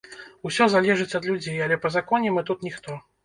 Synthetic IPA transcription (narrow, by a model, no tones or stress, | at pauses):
usʲɔzalʲɛʐɨt͡sʲɐd̪lʲud͡zʲejalʲɛpɐzakɔnʲɛmɨt̪ut̪nʲixt̪ɔ